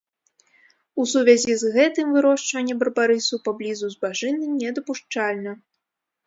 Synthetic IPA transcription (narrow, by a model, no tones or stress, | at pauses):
usuvʲazʲizɣɛt̪ɨmvɨɾɔʂt͡ʂvɐnʲːɛbɐrbaɾɨsupablʲizuzbaʐɨnɨnʲɛd̪ɐpuʂt͡ʂalʲnɐ